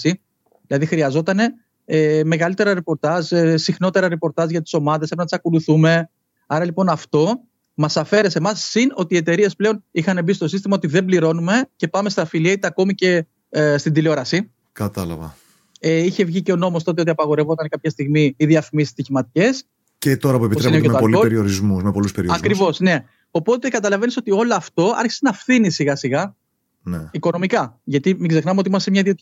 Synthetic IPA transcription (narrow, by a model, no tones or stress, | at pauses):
si | ðilɐðixɾiɐzo̞t̪ɐne̞ | eme̞ɣɐlit̪e̞ɾɐɾepo̞ɾt̪ɐzsixno̞t̪e̞ɾɐɾepo̞ɾt̪ɐzʝɐt̪i̥so̞mɐðe̞sepɾnɐt̪isɐko̞luθume̞ | ɐɾɐlipo̞nɐft̪o̞ | mɐsɐfe̞ɾesemɐsːino̞t̪ie̞t̪e̞ɾie̞sple̞o̞nixɐnebist̪o̞sist̪imɐo̞t̪iðe̞mbliɾo̞nume̞ce̞pɐmest̪ɐfiliet̪eɐko̞mice̞ | st̪ind̪ileo̞ɾɐsi | kɐt̪ɐlɐ̰vɐ̰ | eiçe̞vʝice̞o̞no̞most̪o̞t̪eo̞t̪iɐpɐɣo̞ɾe̞vo̞t̪ɐnkɐpçɐst̪iɣmiːðiɐfimisst̪içimɐt̪ice̞s | cet̪o̞ɾɐpue̞pit̪seineemeoɐoliopeɾioɾizmumepo̞luspeɾioɐkɾivo̞sne̞ | o̞po̞t̪e̞kɐt̪ɐlɐve̞niso̞t̪io̞loɐft̪o̞ɐ̰ɾçi̥senɐfθinisiɣɐsiɣɐ | neiko̞no̞mikɐʝɐt̪imiɡze̞xnɐmeo̞t̪iimɐst̪emɲɐiðiei